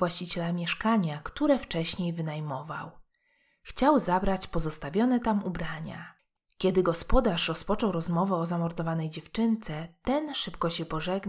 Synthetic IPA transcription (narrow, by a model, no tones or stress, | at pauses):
vwaɕt͡ɕit͡ɕɛlamʲjɛʂkaɲakt̪uɾɛft͡ʂɛɕɲejvɘnajmɔva̰w | xt͡ɕawzabɾat͡ɕpɔzɔst̪avʲjɔnɛt̪amubɾaɲa̰ | kʲɛd̪ɘɡɔspɔd̪aʂɾɔspɔt͡ʂɔwɾɔzmɔvɛɔzamɔɾd̪ɔvanɛjd͡ʑɛft͡ʂɘnt̪sɛt̪ɛnʂɘpkɔɕɛpɔʐɛɡn